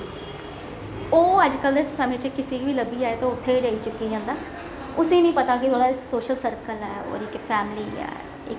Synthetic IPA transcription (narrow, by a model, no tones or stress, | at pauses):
oːəd͡ʒkəld̪əssəmẽːt͡ʃəkɪsiːʋiːləbiːaːeːt̪oʊt̪ʰːeːid͡ʒəːiːt͡ʃʊkːiːd͡ʒãːnd̪aː | ʊsẽːnĩːpət̪aːkɪt̪ʰwoːɽaːɪksoːʃəlsəɾkəlɛːo̰ːɾɪkpʰɛːmliːɛ̰ː | ɪ̰k